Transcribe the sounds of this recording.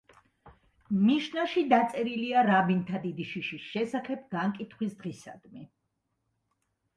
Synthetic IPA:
miʃnaʃid̪at̪sʼɛɾiliaɾabint̪ʰad̪id̪iʃiʃisʃɛsaχɛb̚ɡaŋkʼit̪ʰχwisd̪ʁisa̰d̪̥mɛ

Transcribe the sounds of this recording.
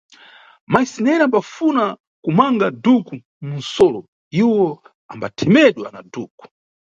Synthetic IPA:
maisinɛɾambafuna | kumaŋɡaduku | mun̩sɔlɔ | iwɔ | a̰mbatʰɛmɛɗwa̰naduːku̥

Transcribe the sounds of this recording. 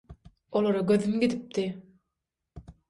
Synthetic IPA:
olˠoɾɔɡøðymɡid̪ip̚t̪i

